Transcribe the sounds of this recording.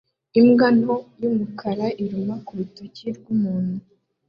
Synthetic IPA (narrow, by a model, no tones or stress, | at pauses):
imɡanojumukʰaɾaʔiɾumakuɾutuciɾɡumuːn̥hu